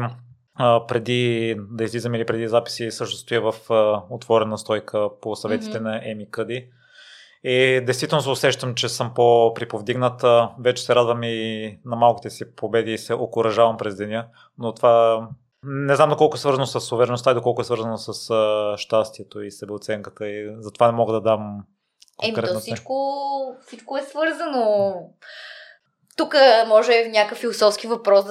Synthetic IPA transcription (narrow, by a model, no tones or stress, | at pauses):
pɾɛd̪id̪ɐizlizəmilipɾɛd̪izapi̥sisɤʃnost̪oivɐfot̪vɔɾɛnəst̪ɔjkəposɐvɛt̪i̥t̪ɛnɐʔɛmikɤd̪i | id̪ɛjst̪vit̪ɛlnosʊsɛʃt̪əmt͡ʃɛsɤmpopɾipovd̪iɡnət̪vɛt͡ʃɛ̥sɛɾad̪vəminɐmalˠki̥t̪ɛsipobɛd̪iːsɛʔokʊɾɐʒavɐmpɾɛzd̪ɛnʲiə | not̪ova | nɛznamd̪okɔlˠkoɛsvɤɾzənosəsːovɛɾɛnost̪aid̪okɔlˠkoɛsvɤɾzənosəsəʃt̪ast̪iɛt̪oisɛbɛot̪sɛŋkə̥t̪əizɐt̪ovanɛmɔɡəd̪ɐd̪am | koɛmikɾɛɔit͡ʃkofsit͡ʃkoɛsvɤɾzəno | t̪ukəmɔʒɛːfnʲjakəkfilˠosɔfsk̟ivɐpɾɔs